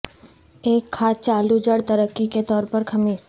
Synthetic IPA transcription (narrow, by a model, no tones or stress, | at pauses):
eːkʰːaːt͡ʃaːlud͡ʒəɽt̪əɾəkːiket̪ɔːɾpɐɾkʰɐmiːɾ